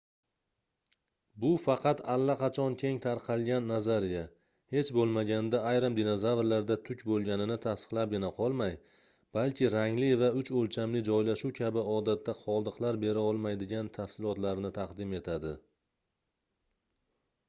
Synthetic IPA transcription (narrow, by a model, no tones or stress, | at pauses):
bʊfɑqʰɑt̪ʰalːaqɑt͡ʃʰɒnkʲʰe̞ŋt̪ʰaɾqʰɑlˠɡʲanːazaɾija | he̞t͡ʃbolˠmaɡʲand̪aːjɾɨmd̪inozavɾlaɾd̪at̪ʰʊkʲbolˠɡʲanɪnɪt̪ʰast̪ɨ̥qlˠap̚ɡʲɪnaqʰɒlˠmaj | b̥alˠkʲɪɾaŋlɪvaʊt͡ʃolt͡ʃʰamlɪd͡ʒɒjlaʃuwkʲʰabɪɒd̪at̪ʰːaqʰɒlˠd̪ɨqlaɾbe̞ɾaɒlˠmajd̪ɪɡʲant̪ʰafsɪlˠɒt̪laɾnɪt̪ʰaqd̪ɪme̞t̪ʰad̪ɪ